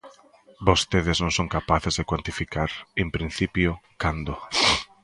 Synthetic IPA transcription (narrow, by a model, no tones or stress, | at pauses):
bost̪eðɪznõŋsõŋkapaθezðekwant̪ifikaɾempɾin̟θipjʊkand̪ʊ